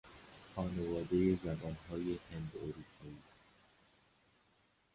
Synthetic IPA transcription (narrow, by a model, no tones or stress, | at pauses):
xɒːne̞vɒːd̪e̞je̞d͡ʒæɡɒːnɦɒːje̞hend̪oɾuːpʰɒːiːs